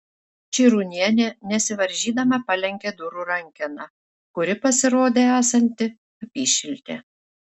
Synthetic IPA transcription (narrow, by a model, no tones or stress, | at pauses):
t͡ʃʲiːɾunʲiɛnʲɛnʲɛsʲɪʋɐɾʲʒʲiːd̪ɐmɐpɐlʲɛŋʲkʲeːd̪ʊɾuːɾɐŋʲkʲɪnɑ | kʊɾʲɪpɐsʲɪɾoːd̪ʲeːæːsɐnʲt̪ʲɪ | ɐpʲiːʃʲɪlʲt̪ʲḛː